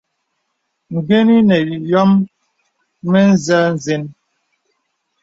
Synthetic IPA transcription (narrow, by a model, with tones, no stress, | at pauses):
ŋ̩˨ɡe˦ni˦nɛ˨jɔ˦m | ɛ˦n̩˦˨za˦n̩˨ze˦n